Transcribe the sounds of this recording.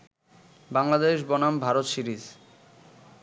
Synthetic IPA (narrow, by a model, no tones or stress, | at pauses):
baŋlad̪eʃ̬bɔnambʱaɾot̪ʃiɾiz